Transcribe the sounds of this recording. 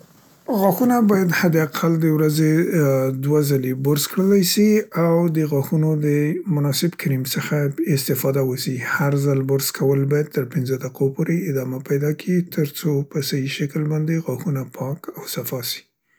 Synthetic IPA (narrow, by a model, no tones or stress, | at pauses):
ɣɑxunabɑjad̪had̪eaqʰald̪əwɾazed̪wazalebʊɾzkɽəlajʃiawd̪əɣɑxunod̪əmʊnɑsɪbkɾimsəxaɪst̪ɪfɑd̪awəsihaɾzalbʊɾzkʰawəlbɑjad̪̚t̪əɾpɪnzəd̪aqʰopoɾeɪd̪ɑmapajd̪ɑkʰit̪ʰəɾt͡sopəsajiʃakəlbɑnd̪eɣɑxunapʰɑkawsafɑsi̥